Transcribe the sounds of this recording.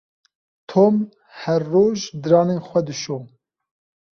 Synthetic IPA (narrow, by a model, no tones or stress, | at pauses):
t̪ʰoːm | hɛrːoːʒd̪ɨɾɑːneːnxʷɛd̪ɨʃoː